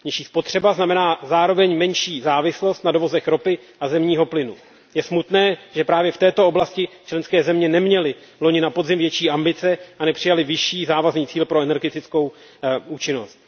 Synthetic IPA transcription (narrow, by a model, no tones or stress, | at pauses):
ɲɛʃiːspo̞t̪r̝̥ɛbaznamɛnaːzaːɾo̞vɛɲmɛnʃiːzaːvɪslo̞st̪nado̞vo̞zɛxɾo̞pɪ | ʔazɛmɲiːɦo̞plɪnu | jɛsmut̪nɛːʒɛpɾaːvjɛft̪ɛːt̪o̞oblascɪt͡ʃlɛnskɛːzɛmɲɛnɛmɲɛlɪ | lo̞ɲɪnapo̞dzɪmvjɛt͡ʃiːʔambɪt͡sɛʔanɛpr̥ɪjalɪvɪʃiːzaːvazniːt͡siːlpɾo̞ɛnɛɾɡɛt̪ɪt͡sko̞w | uːt͡ʃɪno̞st̪̚